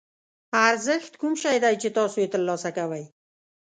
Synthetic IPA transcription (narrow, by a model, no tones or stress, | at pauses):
aɾzɪxt̪kʰʊmʃajd̪ajt͡ʃʰɪt̪ɒːsuet̪ɪlːɒːsakawaj